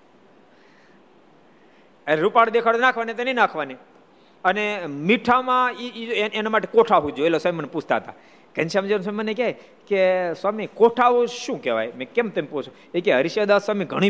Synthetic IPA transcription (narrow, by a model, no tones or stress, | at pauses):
eɾupaɽd̪ekʰaɽonakʰʋanit̪eneinakʰʋani | ənemiʈʰamãiienamaʈekoʈʰaɦud͡ʒoelsamimənepusʰt̪aɦət̪a̰ | kɛnt͡ʃamd͡ʒenswamimənekjaj | keswamikoʈʰaɦõʃũkɛʋa̰jmẽkemt̪empot͡ʃʰo | ekeɦəɾiʃed̪aswamiɡʱəɽ̃i